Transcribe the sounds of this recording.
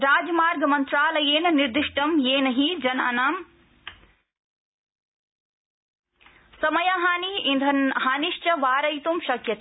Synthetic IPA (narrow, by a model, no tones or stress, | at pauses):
ɾaːd͡ʒɐmaːɾɡɐmɐnt̪ɾaːlɐjeːnɐniɾd̪iʂʈɐmjeːnɐɦid͡ʒɐna̰ːnaːm | sɐmɐjaɦaːniind̪ʱɐnɦaːniʃt͡ʃɐʋaːɾɐjt̪umʃɐkjɐt̪ː